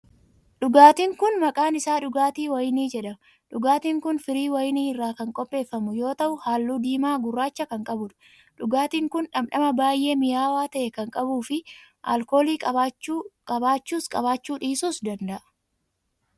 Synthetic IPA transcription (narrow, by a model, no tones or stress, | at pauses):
ᶑʊɡaːt̪iːŋkʊnmɐkʼaːnɪsaːᶑʊɡaːt̪iːwɐjɪniːd͡ʒɛᶑɐmɐ | ᶑʊɡaːt̪iːŋkʊnfɪɾiːwɐjɪniːɪrːaːkɐŋkʼɔpʼːe̞ːfːɐmʊjo̞ːt̪ɐʔʊhaːlːuːd̪iːmaːɡʊrːaːt͡ʃːɐkɐŋkʼɐbʊᶑʊ̥ | ᶑʊɡaːt̪iːŋkʊnᶑɐmᶑɐmɐbaːjʔe̞ːmɪjaːwaːt̪ɐʔɛkɐŋkʼɐbuːfɪʔa̰ːlko̞ːliːkʼɐ | kʼɐbaːt͡ʃːuːskʼɐβaːt͡ʃːuːᶑiːsuːsd̪ɐnd̪ɐʔɐ̥